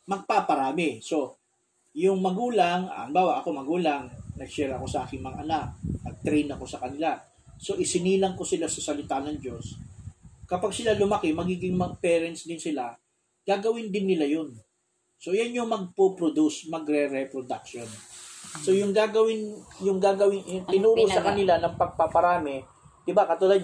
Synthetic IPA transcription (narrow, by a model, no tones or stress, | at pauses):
mɐɡ̚papɐɾaːmɪso̞ | jʊŋmɐɡuːlaŋɐ̰ʔɐmbaːwɐʔɐko̞mɐɡuːlaŋnɐɡsɛɾɐko̞sɐʔaːkɪŋmɐŋa̰ʔɐnak̚ːɐɡ̚t̪ɾɛjnɐko̞sɐkɐnɪlak | so̞ʔɪsɪniːlɐŋko̞sɪlasɐsɐlɪt̪anɐŋd͡ʒo̞s | kɐpaɡ̚sɪlalʊmɐkɪmɐɡiːɡɪŋmɐɡ̚pɛːɾɛnt̪sd̪ɪnsɪla | ɡ̥aːɡɐwɪnd̪ɪnːɪlajo̞n | so̞janjʊŋmɐɡ̚popɾod̪usmɐɡɾɛɾɛpɾod̪akʃo̞nso̞jʊŋɡaːɡɐwɪnjʊŋɡaːɡɐwɪnjʊŋt̪ɪnuːɾosɐkɐnɪlanɐŋpɐɡ̚pɐpɐɾaːmɪ | d̪̥ɪbakɐt̪ʊlad̪̚